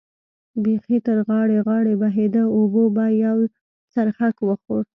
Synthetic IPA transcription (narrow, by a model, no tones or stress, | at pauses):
bexit̪əɾɣɑɽeɣɑɽebaɦed̪əobobajaw | t͡saɾxakwəxoɾ